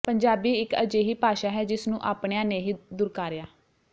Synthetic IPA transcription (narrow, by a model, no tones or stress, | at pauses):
pəɲd͡ʒaːbiːɪkə̰d͡ʒeːɦiːpaːʃaːɦɛːd͡ʒɪsnũːʔaːpɳejãːneːɦiːd̪ʊːɾkaːɾɪjaː